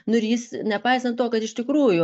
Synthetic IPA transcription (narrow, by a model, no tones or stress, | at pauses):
nʊɪɾjɪsnʲɛpɐɪsɐnt̪t̪oːkɐt̪ɪʃt̪ʲɪkɾuːjʊ